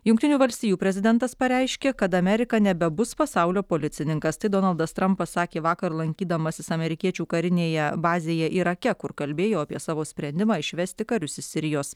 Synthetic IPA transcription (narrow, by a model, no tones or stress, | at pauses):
jʊŋkt̪ʲɪnʲuːʋɐlʲsʲt̪ʲijuːpʲɾʲɛzʲɪd̪ʲɛnt̪ɐspɐɾʲɛɪʃʲkʲeːkɐt̪ɐmʲɛɾʲɪkɐnʲɛbʲɛbʊspɐsɑʊlʲoːpoːlʲɪt̪sʲɪnʲɪŋkɐst̪ɐɪd̪oːnɐlˠd̪ɐst̪ɾɐmpɐssɑːkʲeːʋɑːkɐɾlˠɐŋʲkʲiːd̪ɐmɐsʲɪsɐmʲɛɾʲɪkʲiɛt͡ʃʲuːkɐɾʲɪnʲeːjɛbɑːzʲeːjɛʔiːɾɐkʲɛkʊɾkɐlʲbʲeːjoːɐpʲiɛsɑːʋoːsʲpʲɾʲɛnʲd̪ʲɪmɑːɪʃʲʋʲɛsʲt̪ʲɪkɐɾʲʊsʲɪsʲɪɾʲɪjoːs